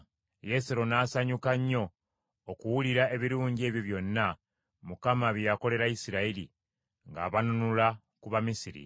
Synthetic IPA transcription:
je̞seɾo̞naːsaɲukaɲːo̞ː | kuwuliɾae̞βiɾuːɲɟie̞ːβjoβjo̞nːa | mukamaβjjako̞le̞ɾaisiɾailḭ | ŋɡa̰ːβanunula | kuβamisiɾḭ

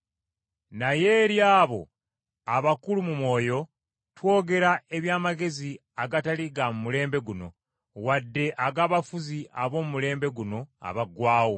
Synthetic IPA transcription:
naje̞ɾjaːβo̞̰ | aβakulumumwo̞ːjo̞ | two̞ːɡe̞ɾae̞βjaːmaɡe̞zi | aɡataliɡamumule̞ːmbe̞ɡuno̞̰ | wadːe̞ʔaɡaːβafuziʔaβo̞ːmumule̞ːmbe̞ɡuno̞a̰βaɡwaːwo

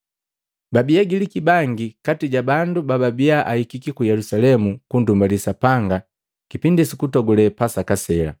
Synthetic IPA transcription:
babiaɡilikibaŋɡikatiɟabandubababiaʔahikikikujɛlusalɛmukundumbalisapaŋɡa | kipindisikutɔɡɔlɛpasakasɛla̰

